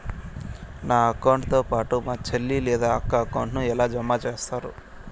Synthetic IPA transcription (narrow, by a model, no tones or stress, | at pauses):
naːɐkɐwɳʈt̪oːpaːʈumaːt͡ʃelːilɛːd̪aːɐkːaːkɐwɳʈnuɛlaːd͡ʒɐmːaːt͡ʃeːst̪aːɾu